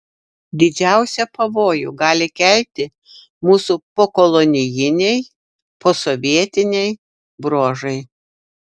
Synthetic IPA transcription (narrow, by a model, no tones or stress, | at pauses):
d̪ʲɪd͡ʒʲæˑʊsʲɛpɐʋoːjṵːɡɑːlʲɪkʲɛlʲt̪ʲɪ | muːsupoːkɔlˠɔnʲɪjɪnʲɛɪ | poːsoʋʲiɛt̪ʲɪnʲɛɪ | bɾoːʒɐɪ